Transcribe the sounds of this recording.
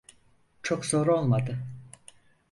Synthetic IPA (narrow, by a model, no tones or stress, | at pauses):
t͡ʃʰokso̞ɾuo̞lˠmad̪ɯ